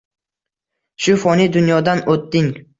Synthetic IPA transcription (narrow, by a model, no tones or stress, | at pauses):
ʃʊfɒnid̪ʊnjɒd̪anot̪ːɪŋ